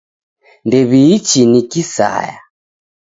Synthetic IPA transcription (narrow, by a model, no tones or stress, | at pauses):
ndɛβiːt͡ʃinikisa̰ja